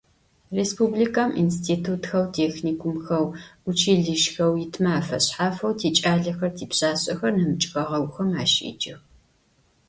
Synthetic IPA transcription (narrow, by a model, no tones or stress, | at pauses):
reːspublikʰaːmḭnstʰiːtʰuːtxɐwtʰeːxniːkʷʊmxɐwʊt͡ʃʰiːɮɨʃxɐwjɪtʰmaaːfɐɕħaːfɐwtʰeːt͡ʃʼaːɮɐxɐrtʰiːpɕaːɕʼɐxɐrnɐmɨt͡ʃʼxʼɐʁɐwʷxɐmaːʃḭd͡ʒɐx